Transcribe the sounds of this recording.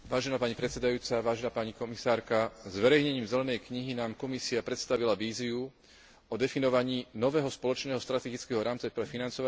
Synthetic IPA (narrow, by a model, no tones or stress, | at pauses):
ʋaːʒɛnapaɲipɾɛt̪sɛd̪ajuːt͡saʋaːʒɛnaːpaɲikɔmisaːɾkazʋɛɾɛjɲɛɲiːmzɛlɛnɛjkɲiɦinaːmkɔmisiapɾɛt̪st̪aʋilaʋiːziu | ɔd̪ɛfinɔʋaɲiːnɔʋɛːɦɔspɔlɔt͡ʃnɛːɦɔst̪ɾat̪ɛɡit͡skɛɦɔɾaːmt͡sapɾɛfinant͡sɔʋa